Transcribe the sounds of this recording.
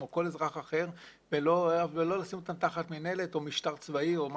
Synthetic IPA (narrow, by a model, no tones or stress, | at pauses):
oko̞lezʁaχaχe̞ʁ | veloelo̞lasimot̪amt̪aχat̪mine̞le̞t̪o̞miʃt̪aʁt͡svaio̞ma